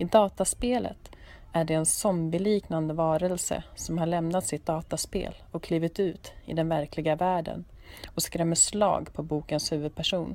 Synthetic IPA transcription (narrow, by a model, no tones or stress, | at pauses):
ɪd̪ɑːt̪aspeːlə̰t̪æɖɛːnsɔmbɪliːknand̪əvɑːɾəlsə̰sɔmhaɭɛmnat̪sɪt̪̚d̪ɑːt̪aspḛːlɔkʰːliːvɪt̪ʉ̟ːt̪ɪ̰d̪ɛnvæɾkʰlɪɡavæːɖə̰nɔskɾɛmːəslɑ̰ːɡpʰɔbuːkənshʉ̟ːvɵd̪̚pʰæʂuːn